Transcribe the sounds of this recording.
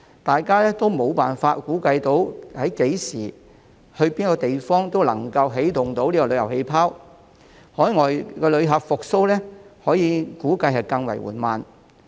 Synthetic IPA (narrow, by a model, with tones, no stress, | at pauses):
t̪aː˨jkaː˥lɛː˥t̪o˥wmo˨˧wpaː˨nfaː˧t̚kuː˨˥kɐ˧jt̪o˨˥whɐ˨˥jke˨˥jsiː˨˩ | hɵ˧ɥpiː˥nkɔː˧t̪e˨jfɔː˥ŋt̪o˥wlɐ˨˩ŋkɐ˧wɦe˨˥jt̪ʊ˨˩ŋt̪o˨˥wliː˥kɔː˧lɵ˨˧jɐ˨˩whe˧jpʰaː˥w | hɔː˨˥jŋɔː˨jkɛː˧lɵ˨˧ɥɦɐ˨˥pfʊ˨k̚so˥wlɛː˥hɔː˨˥jiː˨˧kuː˨˥kɐ˧jɦɐ˨jkɐ˧ŋwɐ̰˨˩jwṵː˨˩nmaː˨˩n